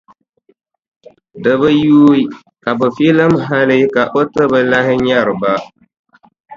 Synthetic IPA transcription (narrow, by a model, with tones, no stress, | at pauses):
dɨ˨βɨ˦juː˦i˦ | ka˨bɨ˨fi˦lɨ˦mɦa˦lɪ˦ka˨ʔo˦tɨ˦bɨ˦la˦ɦɪ˦ɲa˦ɾɨ˨ba˦